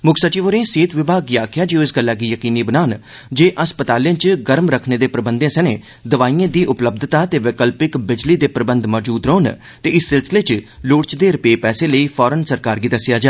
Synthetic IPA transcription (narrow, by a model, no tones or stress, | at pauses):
mʊkʰsət͡ʃiːʋəɾẽːseːt̪ʰʋɪbʱaːɡiaːkʰjaːd͡ʒeõɪsɡəlːaːɡiːjəkiːniːbənaːn | d͡ʒeːʔəspət̪aːlẽːt͡ʃɡəɾmɾəkʰneːd̪eːpɾəbənd̪ẽːsɛnḛ̃ː | d̪əʋaːiːẽːd̪iːʔʊpləb̚d̪ʱt̪aːt̪eːʋeːkəlpɪkbɪd͡ʒliːd̪eːpɾəbənd̪mɔːd͡ʒuːd̪ɾoːn | t̪eːɪsːɪlsɪleːt͡ʃloːɽt͡ʃd̪eːɾəpeːpɛːseːləiːpʰɔːɾənsəɾkaːɾɡiːd̪əsːɪjaːd͡ʒaː